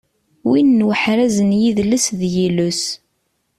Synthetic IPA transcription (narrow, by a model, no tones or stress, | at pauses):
winːwəħɾæzənjiðləsðjilus